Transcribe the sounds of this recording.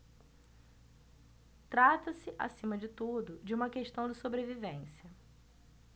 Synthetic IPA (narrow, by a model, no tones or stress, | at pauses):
t̪ɾat̪ɐsɪʔa̰sĩmɐd͡ʒɪt̪ud̪ʊd͡ʒɪũmɐkeʃt̪ɐ̃w̃d͡ʒɪsobɾevivẽsjɐ